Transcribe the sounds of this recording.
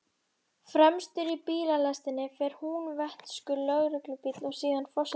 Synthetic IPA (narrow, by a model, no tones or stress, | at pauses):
fɾɛmst̪ʏɾipiːlalast̪ɪnːɪfɛːɾ̥hunvɛht̪skʏlœɣɾɪklʏpit̪lɔɣsiːðanfɔs